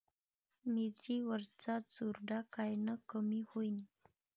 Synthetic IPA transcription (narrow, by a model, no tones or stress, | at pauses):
mitɾiwəɾt͡sasuɾdakajnəkəmihujn